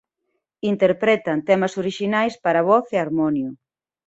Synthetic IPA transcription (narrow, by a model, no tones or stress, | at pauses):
int̪eɾpɾɛt̪ɐnt̪ɛmɐsoɾiʃinajspaɾɐβɔθeaɾmɔnjʊ